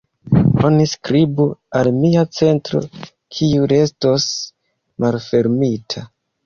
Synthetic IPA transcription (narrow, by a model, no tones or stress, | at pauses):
o̞niskɾibualmiat͡se̞ntɾo̞̰ | kʰiuɾe̞sto̞s | malfe̞ɾmitʰa